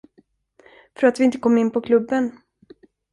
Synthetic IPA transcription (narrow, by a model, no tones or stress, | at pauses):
fœɾat̪vɪɪnt̪əkʰɔmːɪnːpʰɔkʰlɵbːən